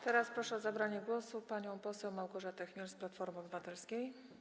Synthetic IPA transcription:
t̪ɛɾaspɾɔʂɛɔzabɾaɲɛɡwɔsupaɲɔ̃w̃pɔsɛwmawɡɔʐat̪ɛxmʲɛɾsplat̪fɔɾmɘɔbɘvat̪ɛlskʲej

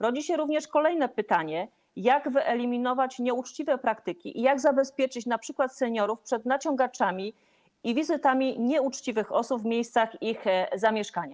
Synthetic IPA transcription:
ɾɔd͡ʑiɕɛɾuvɲɛʂkɔlɛjnɛpɘt̪aɲɛ | jaɡvɘʔɛlʲimʲinɔvat͡ɕɲɛut͡ʂt͡ɕivɛpɾakt̪ɘkʲḭʔijaɡzabɛspʲjɛt͡ʂɘt͡ɕnapʂɘkwat̪sɛɲɔɾufpʂɛd̪nat͡ɕɔŋɡat͡ʂamʲi | ivʲizɘt̪amʲiɲɛut͡ʂt͡ɕivɘxɔsubvmʲjejst̪saxixzamʲjɛʂkaɲa

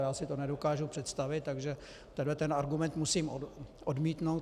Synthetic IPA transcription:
jaːsɪt̪onɛdo̞kaːʒupr̥ɛt̪st̪avɪt̪̚ːaɡʒɛ | t̪ɛdlɛt̪ɛnaɾɡumɛnt̪musiːmʔodmiːt̪no̞w̪

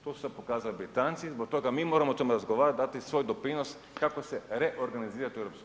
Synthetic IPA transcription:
t̪ossɛpokazaabɾit̪ant̪sizbok̚t̪oɡamimoɾamot̪omuɾazɡoʋaɾad̪at̪isʋojd̪opɾinos | kakosɛɾɛʔoɾɡaniziɾat̪uɛvɾopsk

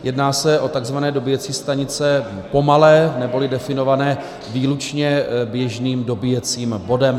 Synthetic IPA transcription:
jɛdnaːsɛʔo̞t̪aɡzvanɛːdo̞bɪjɛt͡siːst̪aɲɪt͡sɛ | po̞malɛːnɛbo̞lɪdɛfɪno̞vanɛː | viːlut͡ʃɲɛbjɛʒniːmdo̞bɪjɛt͡siːmbo̞dɛm

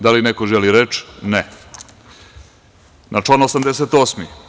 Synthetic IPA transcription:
d̪alinekoʒeliɾet͡ʃne | nʔat͡ʂlˠanosamd̪es̬et̪oːsmi

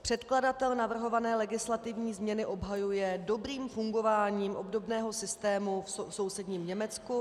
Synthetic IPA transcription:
pr̝̥ɛt̪kladat̪ɛlnavr̩ɦo̞vanɛːlɛɡɪslat̪ɪvɲiːzmɲɛnɪʔo̞bɦajujɛdo̞bɾiːmfuŋɡo̞vaːɲiːmʔo̞bdo̞bnɛːɦo̞sɪst̪ɛːmufsoso̞wsɛdɲiːmɲɛmɛt͡sku

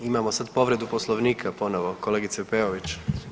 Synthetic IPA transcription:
imamosad̪po̞ʋɾe̞d̪upo̞slˠoʋniːkʰapo̞noʋo̞ko̞leɡit̪sepeoʋit͡ɕ

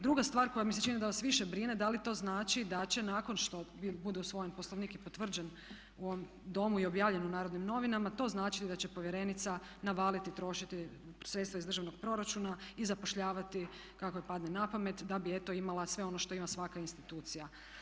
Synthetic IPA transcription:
d̪ɾuɡast̪ʋaːɾko̞jamiset͡ʃinid̪aʋasʋiʃebɾined̪alit̪o̞ːznaːt͡ʃid̪at͡ɕe̞naːko̞nʃt̪o̞bibud̪eusʋo̞jempo̞slˠoʋniːkipot̪ʋr̩d͡ʑen | uoʋom | d̪o̞muio̞bjaːʋʎe̞nunaːɾod̪nimno̞ʋinamat̪o̞znaːt͡ʃilid̪at͡ɕe̞po̞ʋjeɾe̞nit̪sa | naʋaːlit̪it̪ɾo̞ʃit̪i | sɾet̪st̪ʋaizd̪r̩ʒaʋno̞ɡ̥̚pɾo̞ɾat͡ʃunaizapo̞ʃʎaːʋat̪i | kakojepad̪ne̞napame̞t̪d̪abie̞t̪o̞imalˠasʋe̞o̞no̞ʃt̪o̞imasʋakainst̪it̪uːt̪sija

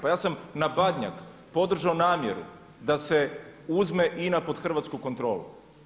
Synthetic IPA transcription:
pajaːsamnabad̪ɲa̰k | po̞d̪r̩ʒaonaːmjeɾṵ | d̪ase̞uzme̞ʔinapo̞d̪xr̩ʋat̪skuko̞nt̪ɾo̞ːlṵ

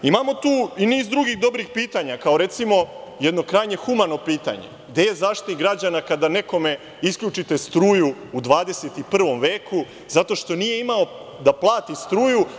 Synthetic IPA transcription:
imamo̞t̪uːiniːzd̪ɾuɡiɣd̪o̞bɾixpiːt̪aɲakao̞ɾe̞t̪simo̞jed̪no̞kɾajɲe̞xumano̞piːt̪a̰ɲḛɡd̪e̞je̞zaːʃt̪it̪niɡɾad͡ʑanakad̪ane̞ko̞me̞ | isklʎut͡ʃit̪e̞st̪ɾuːjuːd̪ʋaːd̪e̞set̪ipr̩ʋo̞mʋeːku | zat̪o̞ʃt̪o̞nije̞imao̞ | d̪aplˠaːt̪ist̪ɾuːju

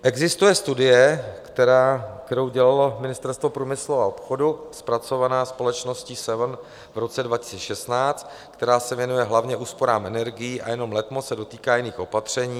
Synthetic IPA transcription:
ʔɛɡzɪst̪ujɛst̪udɪjɛt̪ɛɾaːkt̪ɛɾowɟɛlalo̞mɪnɪst̪ɛɾst̪vo̞pɾuːmɪsluao̞pxo̞duspɾat͡so̞vanaːspo̞lɛt͡ʃno̞sciːsɛvn | vɾo̞t͡sɛdvacɪ̥sit͡sɛʃɛst̪naːt͡st̪ | kt̪ɛɾaːsɛvjɛnujɛɦlavɲɛʔuːspo̞ɾaːmʔɛnɛɾɡɪjiːʔa̰jɛno̞mlɛt̪mosɛdo̞t̪iːkaːjɪniːxʔo̞pat̪r̝̥ɛɲiː

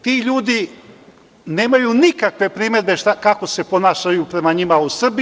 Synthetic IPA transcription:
t̪iʎuːd̪i | ne̞ːmajunikakʋe̞pɾiːme̞d̪be̞ʃt̪akako̞se̞po̞naːʃajupɾe̞maɲimausr̩bi

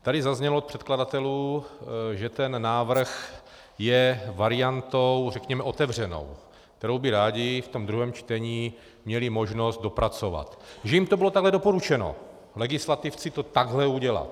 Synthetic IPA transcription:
t̪adɪzazɲɛloot̪pr̥ɛt̪kladat̪ɛluː | ʒɛt̪ɛnːaːvr̩x | jɛvaɾɪjant̪owrɛkɲɛmɛʔo̞t̪ɛvr̝ɛno̞̰w | k̚t̪ɛɾowbɪɾaːɟɪft̪o̞md̪ɾuɦɛːmt͡ʃt̪ɛɲiː | mɲɛlɪmo̞ʒno̞st̪̚do̞pɾat͡so̞va̰t̪ʒɛjimt̪obɪlot̪aɡɦlɛdo̞poɾut͡ʃɛno̞̰ | lɛɡɪslat̪ɪft͡sɪt̪o̞t̪aɡɦlɛuɟɛla̰t̪

